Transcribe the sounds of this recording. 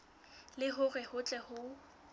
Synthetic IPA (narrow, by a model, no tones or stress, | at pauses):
lɪɦʊrɛhʊt͡ɬʼɛhʊ